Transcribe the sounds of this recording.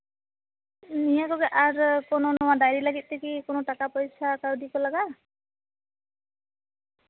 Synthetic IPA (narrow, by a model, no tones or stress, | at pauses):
nijakɔɡɛʔaɹkɔnɔnɔwadajɾilaɡit̪̚ˀdekikonɔʈakapɔjsakaɹdikɔlaɡa